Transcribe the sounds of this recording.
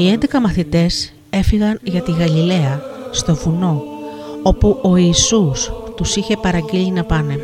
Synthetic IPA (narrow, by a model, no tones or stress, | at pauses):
ie̞nd̪e̞kɐmɐθit̪e̞s | e̞fiɣɐnʝɐt̪iɣɐlile̞ɐst̪o̞vuno̞ | o̞puo̞iːsust̪usiçe̞pɐɾɐɲɟilinɐpɐne̞